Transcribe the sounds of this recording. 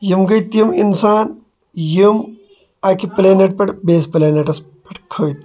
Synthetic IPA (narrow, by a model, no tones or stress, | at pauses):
jimɡɐjt̪jiminsaːn | jim | ɐkipleːneʈ̚pɐʈbeːspleːneʈɐs | pɐʈkʰɐʋit̪